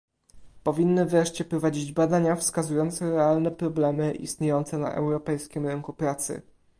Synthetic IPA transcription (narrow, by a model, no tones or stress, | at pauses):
pɔvʲinːɘvɾɛʂt͡ɕɛpɾɔvad͡ʑid͡ʑbad̪aɲafskazujɔnt̪sɛɾɛalnɛpɾɔblɛmɘʔḭst̪ɲejɔnt̪sɛna̰ʔɛ̰wɾɔpɛjskʲimɾɘŋkupɾat̪sɘ̰